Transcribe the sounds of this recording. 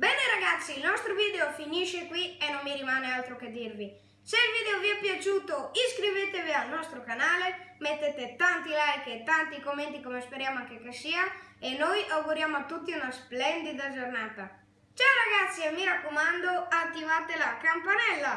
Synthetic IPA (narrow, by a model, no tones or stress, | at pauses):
bɛːneɾaɡat̪sːiilnɔst̪ɾovid̪eofiniʃekwienːomːiɾimanealt̪ɾoked̪ːirːi | selvid̪eoviɛpjat͡ʃuːt̪oiskɾivet̪evialnɔst̪ɾokanaːlemet̪ːet̪et̪ant̪ilajket̪ant̪ikomːent̪ikomespeɾjaːmoakːekːesiːaenojʔawɡuɾjamoat̪ːut̪ːiunasplɛnd̪id̪ad͡ʒornaːt̪a | t͡ʃawɾaɡat̪sːiamiɾakːomand̪oat̪ːivat̪elakampanɛlːa